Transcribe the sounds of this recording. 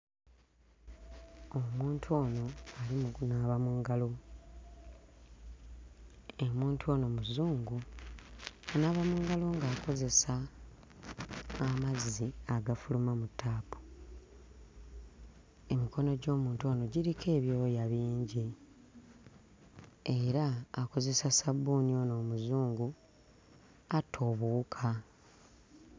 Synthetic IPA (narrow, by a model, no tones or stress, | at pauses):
o̞muːntʰuo̞ːno̞alimunaβamuːŋɡalo̞ | emuːntuo̞ːno̞muzuːŋɡu | anaβamuːŋɡalo̞ŋɡaːko̞ze̞sa | maziaɡafulumamutːaːpu̥ | e̞miko̞no̞ɟo̞ːmuːntuono̞ɟiɾike̞ːβjoːjaβiːɲɟi | eɾaːko̞ze̞sasabunio̞no̞ːmuzuːŋɡu | atʰo̞βuːkʰa